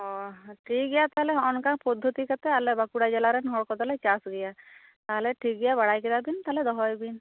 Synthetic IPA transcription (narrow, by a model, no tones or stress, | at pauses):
ɔʈʰikɡɛjat̪aɦɛlɛɔnkaŋpɔd̪ʱːot̪ikat̪ɛalɛbakuɽad͡ʒɛlaɾɛnɦɔɽkɔd̪alɛt͡ʃasɡɛja | t̪aɦɛlɛʈʰikɡɛjabaɽajkɛd̪abint̪aɦlɛd̪ɔɦɔjbin